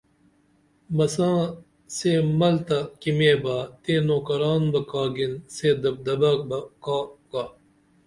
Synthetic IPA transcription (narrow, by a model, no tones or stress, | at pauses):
mɐsãː | seːmɐlt̪ɐkimeːbaːt̪ẽːnoːkɐɾaːnbɐkaːɡinseːd̪ɐb̚d̪ɐbabɐkaːkaː